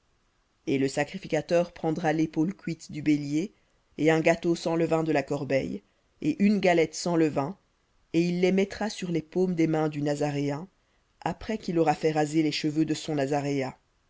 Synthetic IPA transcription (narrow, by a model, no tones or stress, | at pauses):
eləsakχifikʲat̪œʁpχɑ̃d̪ʁalepolkʲɥit̪d̪ybelje | eɛ̃ɡat̪osɑ̃ləvɛ̃d̪əlakɔʁbɛ̰j | eʔynɡalɛt̪sɑ̃ləvɛ̃ | eilːemɛt̪χasyʁlepomd̪emɛ̃d̪ynazaʁeɛ̃ | apχɛkilɔʁafɛʁazeleʃəvød̪əsɔ̃nazaʁea